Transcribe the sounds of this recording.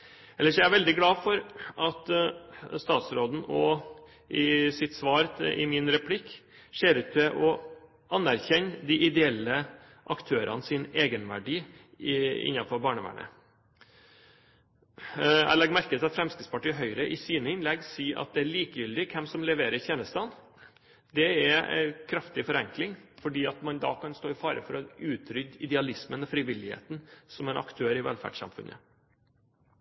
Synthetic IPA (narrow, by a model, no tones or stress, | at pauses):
ɛlːəʂjææɾʋɛld̪ɪɡlɑːfɔɾʔɑt̪ | st̪ɑːt̪sɾoːd̪n̩ɔ | ʔɪsɪt̪sʋɑːɾʔɪ̰mɪnɾɛpʰlɪkː | ʂeːɾʉt̪t̪ʰɛʔɔ | ʔɑnːæɾçɛɲːd̪iʔɪd̪ɛɛlːə | ʔɑkt̪ʰøːɾʔɑ̰nsɪneːɡənʋæ̰ɖiː | ɪ̰nːɑfɔɾbɑːɳəʋæ̰ɳə̰ | æ̰ɪlɛɡmæɾkət̪ɪlɑt̪fɾɛmskɪt̪spʰɑʈiːɦœʏɾəʔɪsiːnəɪnlɛɡsiːʔɑ̰t̪̚d̪ɛæɭiːkəjʏld̪ɪkʰɛmsɔmlɛʋeːɾəɾçɛːnəst̪ɑːn | d̪ɛɛ̰kʰɾɑft̪ɪfɔɾɛŋklɪŋfɔɖiːɑt̪mɑnd̪ɑ̰kʰɑnst̪oːɪfɑːɾə̰fɔɾɔʉːt̪ʰɾʏd̪ɪd̪ɛɑlɪsmənɔfɾɪʋɪlːɪhḛːt̪nsɔmɛnʔɑ̰kt̪ʰøːɾɪʋɛ̰lfæ̰ɖʂɑ̰mfʉ̰nə̰